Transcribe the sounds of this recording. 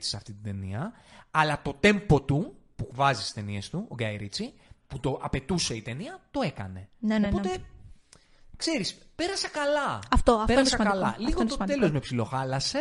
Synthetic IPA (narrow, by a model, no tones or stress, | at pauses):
t͡si̥sɐft̪it̪id̪e̞niɐ | ɐlɐt̪o̞t̪e̞mpo̞t̪upukvɐzisi̥st̪e̞niest̪uo̰ɡɐjɾit͡siput̪o̞ʔɐpe̞t̪useit̪e̞niɐt̪o̞e̞kɐ̰ne̞nopot̪e̞ | kse̞ɾispe̞ɾɐsɐkɐlɐɐft̪oɐfeɾsɐkɐlɐliɣoe̞lo̞zmepsilo̞xɐlɐse